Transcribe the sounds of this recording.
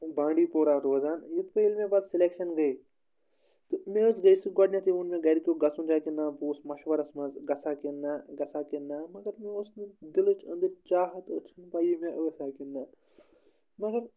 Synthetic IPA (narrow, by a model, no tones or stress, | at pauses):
bãːɳɖiːpoːɾaːɾoːzaːnjut̪pɐilmẽbad̪sɪleːkʃɐnɡɐi | t̪ɨmẽːosɡɐisiɡɔɖnʲjãt̪ʰiunmẽːɡɐɾkʲoːɡɐsũnd͡ʒaːkinãːbuːsmɐʃʋɐɾɐsmɐzɡɐsaːkinːaːɡɐsaːkinːaːmɐɡɐɾmẽʊsnd̪ɪlut͡ʃʰɐ̃nd̪ɐɾt͡ʃaːɦɐt̪ot͡ʃʰɐnpaːjimẽʔoːsaːkinːaː | mɐɡɐɾ